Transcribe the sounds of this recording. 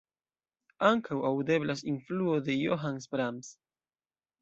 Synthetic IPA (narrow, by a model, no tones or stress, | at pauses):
aŋkʰawawde̞blasinfluode̞joɦansbɾams